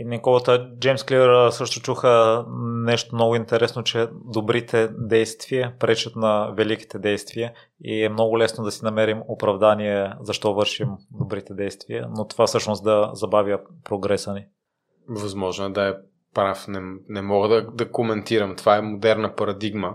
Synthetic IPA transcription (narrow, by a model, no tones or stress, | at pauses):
inɛkɔlˠət̪əd͡ʒɛjmsklivəɾsɤʃt̪ʊt͡ʃuxənɛʃt̪omnɔɡʊint̪ɛɾɛsnot͡ʃɛd̪obɾit̪ʰɛd̪ɛjst̪viəpɾɛt͡ʃət̪nɐvɛliki̥t̪ɛd̪ɛjst̪viə | ḭɛmnɔɡʊlɛsnod̪ɐsinɐmɛɾimopɾɐvd̪aniɛzɐʃt̪ɔvɤɾʃimd̪obɾit̪ɛd̪ɛjst̪viə̰not̪o̥vafsɤʃnosd̪ɐzɐbavjəpɾoɡɾɛsəni | vɐzmɔʒnoɛd̪ɐɛ | pɾafnɛnɛmɔɡəd̪ɐd̪ɐkomɛnt̪iɾɐmt̪ovaɛmod̪ɛɾnɐpɐɾɐd̪iɡmə